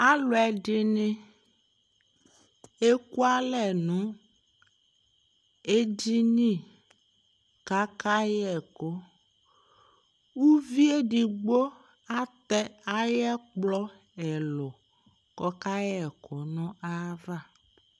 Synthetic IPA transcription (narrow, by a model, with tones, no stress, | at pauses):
a˦lɔ˨ɛ˨ɖɪ˦nẽ˦ | e˦ku˦a˦lɛ˨nũ˨˦ | e˦di˦nĩ˦˨ | ka˦ka˦jɛ˨ko˦ | wu˦vi˦e˦ɖi˨ɡ͡bo˦ | a˦t̪ɛ˦a˦jɛ˦k͡plɔ˦ | ɛ˨lɔ˨ | kɔ˦ka˦jɛ˨kɔ˨nɔ̃˦a˦va˦˨